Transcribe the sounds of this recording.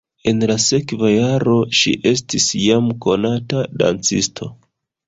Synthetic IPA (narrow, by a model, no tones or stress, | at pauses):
e̞nlase̞kvajaɾo̞ʃḭʔe̞s̬tisjamko̞natada̰nt͡sḭstʰo̞